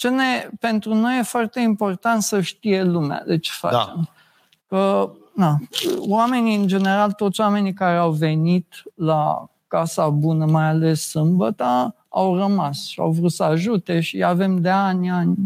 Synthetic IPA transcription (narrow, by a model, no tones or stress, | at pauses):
t͡ʃene̞pent̪ɾuno̞je̞foart̪e̞impo̞rt̪ant̪səʃt̪ije̞lumea̰d̪e̞t͡ʃe̥fa̰t͡ʃem | kə | nawame̞niɨnd͡ʒe̞ne̞ɾalt̪ot̪sʲwame̞nikaɾeawve̞nit̪la̰ | kasabunəmajale̞sːɨmbət̪a | a̰wrəmasʃia̰wvɾut̪səaʒut̪e̞ʃiave̞md̪e̞anʲanʲ